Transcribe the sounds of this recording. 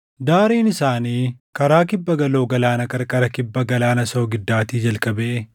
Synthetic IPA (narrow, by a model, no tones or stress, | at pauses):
d̪aːɾiːnɪsaːniːkɐɾaːkɪbːɐɡɐlo̞ːɡɐlaːnɐkɐɾkʼɐɾɐkɪbːɐɡɐlaːnɐsoːɡɪd̪ːaːt̪iːd͡ʒɐlkʼɐbeʔ